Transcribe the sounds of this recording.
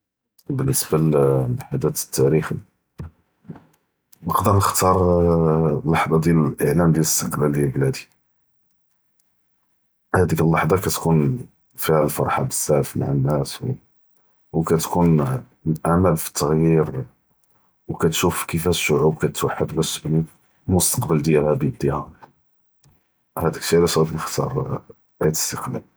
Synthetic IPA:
bənːəsbælħad̪æt̪t̪ːæɾix | nəqd̪əɾˤnəxt̪ɑɾˤ | lːɑħd̪ˤɑd̪jæləlʔəʕlæmd̪jæləst̪əqlæld̪jæblæd̪i̥ | hæd̪ikəlːɑħd̪ˤɑkæt̪kun | fihælfɑɾˤħɑbəsːæʕfma̰ʕanːæs | wkæt̪kun | ʔamælfi̥t̪ːɑɣjiɾ | wkæt̪ʃufkifhæʃːʊʕub̚kæt̪waħːəd̪bæsbəl | mʊst̪ɑ̥qbəld̪jælhæbid̪ihæ | hæd̪əkʃilæsæd̪mxt̪ɑ̰ɾˤ | t̪ə̥st̪əqlæ̰l

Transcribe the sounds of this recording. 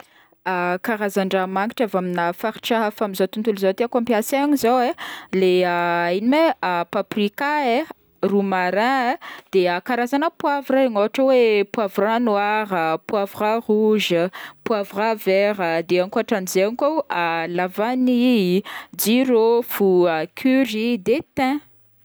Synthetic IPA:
akaɾazaɳɖ͡ʐamaŋiʈ͡ʂavaminəfaɾiʈ͡ʂaɦafamizawt̪unt̪ulizat̪eakampiasaaɲizaweleainimepaprikae | rumaɾãd̪̥eakaɾazanəpwavuɾaaŋaaʈ͡ʂəwepwavranwaɾəpwavuraruʒəpwavuravɛɾəd̪eaŋkuaʈ͡ʂanizeaŋkoalavani | d͡ziɾofuəkʰyɾid̪et̪ɛ̃

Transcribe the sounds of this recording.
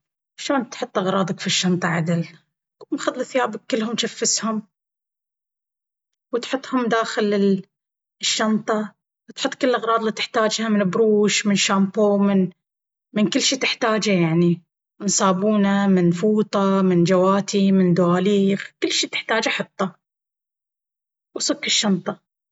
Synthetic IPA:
aʃoːnt̪ħʊt̪ˤːʔɑɣɾˤɑːd̪ˤɑkfiʃːɑnt̪ˤɑʕad̪ɪl | mxɑd̪ˤːθɪjaːbɪkːɪlːhʊmʃafːɪshʊm | wɪt̪ħʊt̪ˤːhʊmd̪aːxɪlɪ | ʃːɑnt̪ˤɑ | wt̪ħʊt̪ˤːkɪlːʔɑɣɾˤɑːd̪ˤlit̪ɪħt̪aːd͡ʒhamɪnbɾuːʃmɪnʃaːmpoːmɪn | mɪnkɪlːʃiːt̪ɪħt̪aːd͡ʒajaʕni | nsˤɑːbuːnamɪnfuːt̪ˤɑmɪnd͡ʒawaːt̪ʰimɪnd̪ʊwaːliːxkɪlːʃiːt̪ɪ̥ħt̪aːd͡ʒaħɑt̪ˤːɑ | wsʊkːɪʃːɑnt̪ˤɑ

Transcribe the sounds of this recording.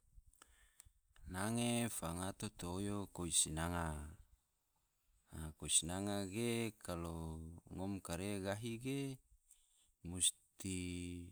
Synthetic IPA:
naŋefaŋat̪ot̪oːjokoisinaŋa | akoisinaŋaɡekʰaloŋomkaɾeɡaɦiɡe | must̪i

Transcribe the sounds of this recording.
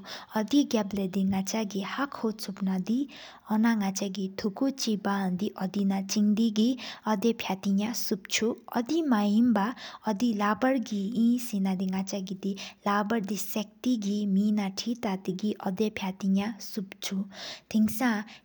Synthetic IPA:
ʌd̪iɡabled̪iŋat͡saɡihakʰot͡sʰupnad̪i | ʌnaŋat͡saɡit̪ʰukut͡sibaɦʌnd̪iʔʌd̪inat͡siŋd̪iɡiʌd̪epʰjat̪iɲãsup̚t͡ʃʰuʌ̰d̪imaimbaʌd̪ilabʌɾɡiĩsinad̪iŋat͡saɡid̪ilabʌɾd̪isɛk̚t̪iɡiminaʈʰit̪at̪iɡiʔʌd̪epʰjat̪iɲãsupt͡sʰut̪ʰiŋsã

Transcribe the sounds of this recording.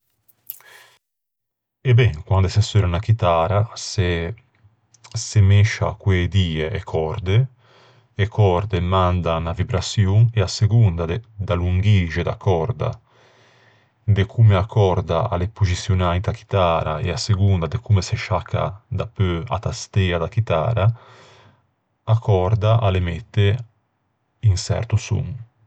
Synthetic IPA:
ɛbɛŋkwand̪ɛsɛsøɾanak̟it̪aːɾase | semɛʃa̰kwed̪iːɛʔɛkʰɔɾd̪e | ɛkʰɔɾd̪ɛmand̪anavibɾasjuŋɛaseɡund̪ad̪d̪aluŋɡid͡ʒɛd̪a̰kʰːɔɾd̪a̰ | d̪ekʰumeakːɔɾd̪aa̰lepuzisjonaːit̪ak̟i̥t̪aːɾa̰ḛaseɡund̪ad̪ekʰumeseʃakʰːa̰d̪apːøa̰t̪ast̪ɛːad̪ak̟it̪a̰ːɾa | akʰɔɾd̪aʔalemɛt̪ːe | insɛ̰ɾt̪usṵŋ

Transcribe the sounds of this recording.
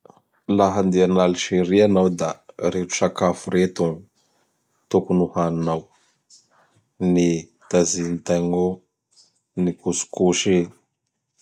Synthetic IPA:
laɦand̪ianaliʃiɾianawd̪a̰ɾeʈ͡ʂu̥ʃakafuɾet̪u | t̪ukunuhaninaw | ni | t̪azint̪aŋo | nikusu̥kuʃe

